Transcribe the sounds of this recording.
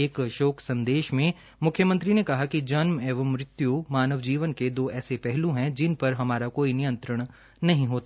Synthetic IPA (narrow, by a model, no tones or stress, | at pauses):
eːkʃoːksɐ̃nd̪eːʃmẽ | mʊkʰjəmə̃nt̪ɾinekɐɦakid͡ʒɐnmɛːʋəmɾɪt̪jumaːnəʋd͡ʒiːʋənked̪oːɛːsepɛɦlũɦɛ̃d͡ʒɪnpɐɾɦɐmaːɾakoːinijə̃nt̪ɾəɽ̃ | nɐɦĩɦoːt̪